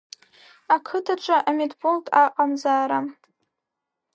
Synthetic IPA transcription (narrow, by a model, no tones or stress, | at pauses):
akʰɨtʰaʈ͡ʂʷʰʼaʔametʰʼboltʰʼaqʼamzaːɾa